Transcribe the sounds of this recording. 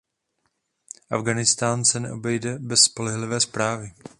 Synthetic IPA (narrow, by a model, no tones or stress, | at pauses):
ʔavɡanɪst̪aːnsɛnɛ̰ʔo̞bɛjdɛbɛsːpo̞lɛɦlɪvɛːspɾaːvɪ